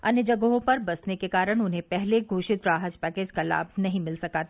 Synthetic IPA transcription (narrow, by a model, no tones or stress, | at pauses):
ɐnjəd͡ʒɐɡəɦõpɐɾbɐsnekekaːɾəɽ̃ʊnɦẽpɛɦleɡʱuːʃɪt̪ɾaːɦəd͡ʒpɛːkeːd͡ʒkala̰ːb̚ʱnɐɦĩmɪlsɐkaːt̪ʰː